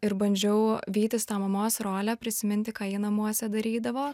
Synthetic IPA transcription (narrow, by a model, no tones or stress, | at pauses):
ɪɾbɐnʲd͡ʒʲɛʊʋʲiːt̪ʲɪst̪ɑːmɐmoːsɾoːlʲæpʲɾʲɪsʲɪmʲɪnʲt̪ʲɪkɑaːjɪnɐmuɔsʲɛd̪ɐɾʲiːd̪ɐʋoː